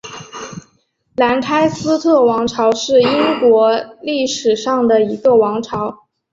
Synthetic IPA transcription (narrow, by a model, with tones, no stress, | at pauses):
la˧˥nkʰa˥ɪsɹ̩˥t̪ʰɤ˥˩wɑ˧˥ŋʈ͡ʂʰɑ˧˥ʊʂɻ̩˥˩i˥ŋkwɔ˧˥li˥˩ʂɻ̩˨˩ʂɑ˥˩ŋd̪ə˩i˧˥ɡə˧˩wɑ˧˥ŋʈ͡ʂʰɑ˧˥ʊ